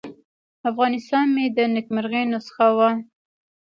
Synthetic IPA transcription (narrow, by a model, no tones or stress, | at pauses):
afɣɑnɪst̪ɑnmed̪ənɪkmaɾɣenosə̥xawa